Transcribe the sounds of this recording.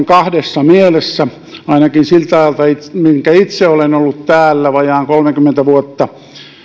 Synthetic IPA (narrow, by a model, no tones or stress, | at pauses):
ŋkɑhdesːɑmielesːæ | ɑinɑkinsilt̪ɑjɑlt̪ɑit̪miŋkæit̪seolenolːut̪t̪æːlːæʋɑjɑːŋkolmekymːent̪æʋuot̪ːɑ